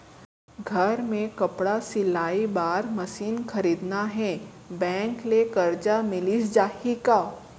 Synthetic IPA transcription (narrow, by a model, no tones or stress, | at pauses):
ɡʱɐɾmẽkɐpɽasɪlaːibaːɾmɐsiːnxʰɐɾiːd̪naɦɛ̃ | bɛ̃ːŋklekɐɾt͡ʃamɪlisd͡ʒaːhikaː